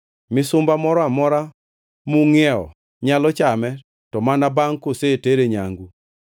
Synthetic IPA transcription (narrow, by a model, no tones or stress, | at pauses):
mɪsʊmbamɔɾɔamɔɾa | muŋɛɔ̰ | ɲalɔt͡ʃamɛ | tɔmanabaŋkoseteɾeɲa̰ŋɡu